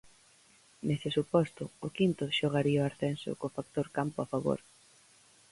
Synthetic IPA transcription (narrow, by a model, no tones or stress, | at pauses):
nesɪsupɔst̪ʊʊkint̪ʊʃoɣ̞aɾiɐʊaɾθɛnsʊ̰kofak̚t̪oɾkampʊafaβo̰ɾ